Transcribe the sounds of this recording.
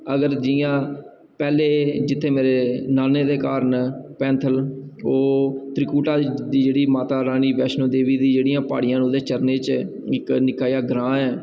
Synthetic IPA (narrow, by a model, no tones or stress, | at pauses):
əɡəɾd͡ʒɪjãː | pɛːleːd͡ʒɪt̪ʰːeːmeːɾeːnaːneːd̪eːkaːɾəɳpɛ̃ːnt̪ʰəloːt̪ɾɪkuːʈaːd̪iːd͡ʒeːɽiːmaːt̪aːɾaːniːʋɛːʃnõːd̪eːʋiːd̪iːd͡ʒeːɽijãːpa̰ːɽɪjãːnoːd̪eːt͡ʃəɾneːt͡ʃ | ɪknɪkaːjaːɡɾãːɛː